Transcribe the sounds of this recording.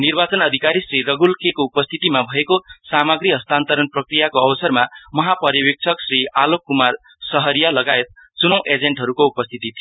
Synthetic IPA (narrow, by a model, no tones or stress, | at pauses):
nirbat͡sʌnʌd̪ʱikaɾisrirʌɡulkekoupʌst̪ʰit̪imabʱʌekosamaɡɾiɦʌst̪ant̪ʌɾʌnprʌkrijakoʌbʌsʌrmamʌɦapʌrjʌbik̚t͡sʰʌksrialokːumar | sʌɦʌɾijalʌɡaet̪̚t͡sunʌw̃ʔed͡zeɳʈɦʌɾukoupʌst̪ʰit̪it̪ʰi